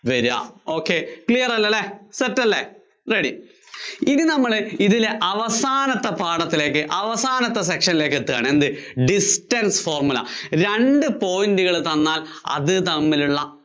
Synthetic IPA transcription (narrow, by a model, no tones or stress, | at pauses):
ʋeɾa̰ːo̞ːkːekɭijɐrɐlːɐlːeseɐtːɐlːe | reɽi | iðinɐmːɐɭiðileʔɐʋɐsaːnɐt̪ːɐpaːɽɐt̪ːile̞ːkːɨʔɐʋɐsaːnɐt̪ːɐs̬ekʂɐnile̞ːkːet̪ːɨkːa̰ːɳɨend̪ɨɖisʈɐnsfo̞ːrmulɐ̰ɾeɳɖɨpo̞ːjindɨɣɐɭt̪ɐnːaːlɐ̰ðɨt̪ɐmːiluɭːɐ